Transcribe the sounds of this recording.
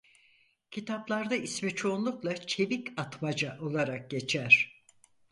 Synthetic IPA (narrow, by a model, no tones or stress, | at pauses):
cʰit̪ʰaplˠaɾd̪aismit͡ʃʰo̞unlˠuklˠat͡ʃʰe̞bicat̪mad͡ʒaʔo̞lˠaɾak̚ɟe̞t͡ʃʰæɾ̝̥